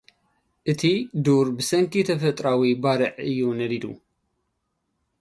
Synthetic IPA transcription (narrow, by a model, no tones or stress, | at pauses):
ʔɨt̪ʰid̪uɾbɨsɐŋkʰit̪ʰɐfɐt̪ʼɾawibaɾɨʕɨjːunɐlid̪ṵ